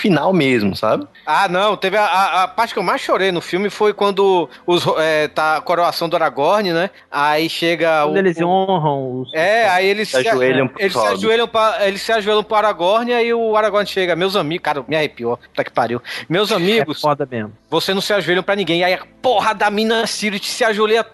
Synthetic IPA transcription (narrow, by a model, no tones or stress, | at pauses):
finawmezmʊsa̰bɪ | anɐ̃w̃t̪evɪaaːpaɾt͡ʃɪ̥kewmajsʃoɾejnʊfiwmɪfojkwɐ̃nd̪ʊ | ʊzɦoɛt̪akoɾoasɐ̃w̃d̪ʊaɾaɡɔɾnɪnɛ | aiʃeɡɐ̃ud̪elɪzõɦɐ̃w̃ʊsɛaielɪsaelʎɐ̃w̃pelɪssɪaʒueljɐ̃w̃pɾɐelɪssɪaʒuelɐ̃w̃pɾʊaɾaɡɔɾnɪaiʊaɾaɡɔɾnɪʃeɡɐmewzɐ̃miɡʊkaɾɐmiahepiɔakɪ̥paɾiwmewzamiɡʊsɔd̪ɐmemʊvoseznɐ̃w̃sɪaʒuelʎɐ̃pɾɐnĩɡẽj̃aiɐpoɦɐd̪ɐmĩnɐsiɾit͡ʃɪ̥sɪaʒueɐ